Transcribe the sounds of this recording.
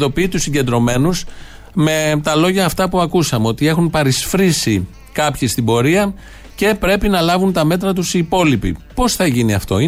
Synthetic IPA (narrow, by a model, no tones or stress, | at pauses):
ðo̞piːt̪usiɲɟe̞nd̪ɾo̞me̞nus | me̞t̪ɐlo̞ʝɐːft̪ɐpuɐkusɐmeo̞t̪ie̞xunpɐɾisfɾisi | kɐpçist̪ibo̞ɾiɐ | ce̞pɾe̞pinɐlɐvunt̪ɐme̞t̪ɾɐt̪usiːpo̞lipḭpo̞sθɐʝiniɐ̰ft̪o̞i